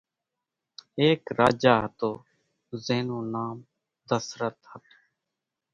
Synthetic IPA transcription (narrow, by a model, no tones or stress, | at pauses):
eːkɾaːd͡ʒaːɦət̪oː | zeːnũːnaːm | d̪əsɾət̪hət̪o